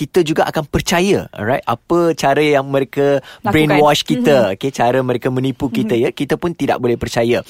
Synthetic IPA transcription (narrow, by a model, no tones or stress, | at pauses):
kit̪əd͡ʒuɡaʔakanpərt͡ʃajə̰rajt̪̚ʔa̰pət͡ʃaɾəjaŋmə̃ɾekəbɾenwɔt͡ʃkit̪əoket͡ʃaɾəmə̃ɾekəmə̃nipukit̪əjakit̪əpʊnt̪ida̰ʔ̚bolɛhpərt͡ʃajə